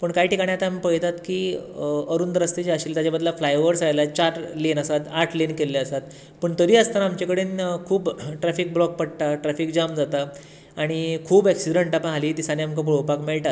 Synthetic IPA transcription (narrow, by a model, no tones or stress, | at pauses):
pəɳkaɦiːʈikaɽ̃jat̪aamipəɦjt̪at̪kiəɾuːnd̪ɾəst̪et͡ɕeaɕiːlt̪jat͡ɕabəd̪laflajʋəɾsajlat͡ɕaɾlenəsat̪aɾʈʰlenkelːeəsat̪ | pəɳt̪əɾiːəst̪anaːmt͡ɕakəɽenkʰuːbʈɾafiːk̚blɔk̚pəɽt̪aʈɾafikd͡ʑamd͡zat̪aː | ɽ̃ikʰuːbɛksiɖəɳʈapəɳɦaliːt̪isaneamkap̬uɭowpakmelʈa